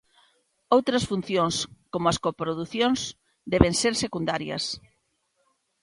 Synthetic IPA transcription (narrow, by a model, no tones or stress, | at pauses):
owt̪ɾɐsfun̟θjoŋskomʊɐskopɾoðuθjoŋs | d̪ɛβeŋseɾsekund̪aɾjɐ̰s